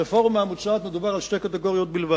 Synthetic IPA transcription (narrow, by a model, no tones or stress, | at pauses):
efɔʁmaamut͡ʃaat̪məd̪ubaʁalʃtejkat̪ɛɡoʁijot̚bilva